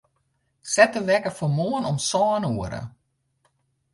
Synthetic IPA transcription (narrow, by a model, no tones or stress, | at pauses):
sɛtəʋɛkəfɔmoənɔmsɔːnuəɾə̰